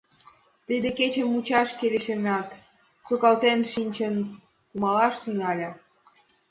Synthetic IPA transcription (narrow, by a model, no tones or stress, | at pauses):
t̪id̪eket͡ɕə̆mut͡ɕɑʃkeleʃemɑt̪ | sukɑlt̪enʃinʲt͡ɕən | kumɑlɑʃt̪ynɑlʲə